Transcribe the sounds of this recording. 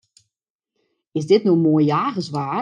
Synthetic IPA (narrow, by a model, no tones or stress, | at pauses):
ɪsdɪtnomoəjjaːɣəsʋaː